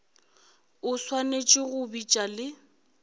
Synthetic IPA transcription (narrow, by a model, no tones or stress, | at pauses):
ʊswanet͡ʃʼɪɣʊbit͡ʃʼalɪ